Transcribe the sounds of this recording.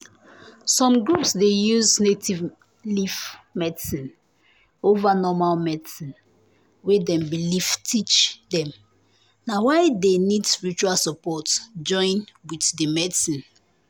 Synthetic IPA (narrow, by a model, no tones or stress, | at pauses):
sɔ̃mɡɹupsdejuznetʰiv | lifmɛdsĩn | ovanɔmalmɛdsĩn | wedɛ̃mbiliftʰit͡ʃdɛ̃m | nawaɪdenidspiɹit͡ʃualsɔpɔtd͡ʒɔ̃ɪ̃nwiθdəmɛdsĩn